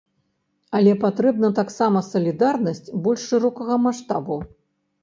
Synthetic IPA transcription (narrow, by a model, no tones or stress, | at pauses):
ɐlʲɛpat̪ɾɛbnɐt̪aksamɐsɐlʲid̪arnɐsʲt͡sʲbɔlʲʂːɨɾɔkɐɣɐmaʂt̪a̰bu